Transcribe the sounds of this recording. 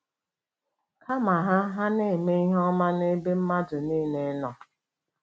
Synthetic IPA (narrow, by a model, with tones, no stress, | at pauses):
kʰa˦ma˨ɦa˦ɦa˦ne˦˨me˦i˦ɦɔ˦ma˦ne˦be˦m̩˦ma˦dʊ˨niː˦ne˦nɔ˨